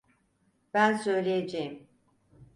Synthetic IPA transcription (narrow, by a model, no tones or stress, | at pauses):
b̥ænsø̞jlʲejed͡ʒejim